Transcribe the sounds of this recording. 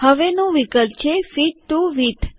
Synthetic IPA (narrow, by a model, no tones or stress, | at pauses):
həʋenũʋikəlp̚t͡ʃʰefiʈuʋit̪ʰ